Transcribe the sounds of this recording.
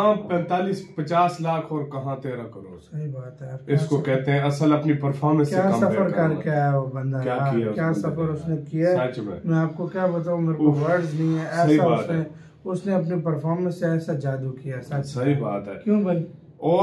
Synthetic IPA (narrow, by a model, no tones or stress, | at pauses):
ãːpɛ̃nt̪aːliːspɐt͡ʃaːslaːkʰɔːɾkɐɦãt̪eːɾãkɐɾoːɽsɐɦibaːt̪ɦɛɐɾkɪskokɛɦt̪ẽɦɛ̃ɐsəlɐpnipɐɾfʰɔːɾmɛ̃skjaːsɐfəɾkɐɾkjaɦɛobɐ̃nd̪aaaiakjaːsɐfəɾʊsnekijaat͡ʃmɛ̰̃mɛ̃aːp̚kokjaːbɐt̪̬aːũmeːɾoʋɐɾɖznɐɦĩɦɛɛːɐɦiaʊaːst̪ne | ʊsneɐp̬nip̬ɐɾfʰɔːɾmə̃nsːeɛːsad͡ʒaːd̪ukijaɛsasɐɦiba̰ːt̪ɦɛ̰ːkjũːbɐli | ɔː